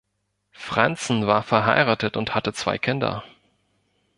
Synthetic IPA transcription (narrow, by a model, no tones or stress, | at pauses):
fʁ̥ant͡sn̩vaːɐfɛɐɦa̰ɪʁaːtətʊnthatət͡sv̥a̰ɪkʰɪndɐ̰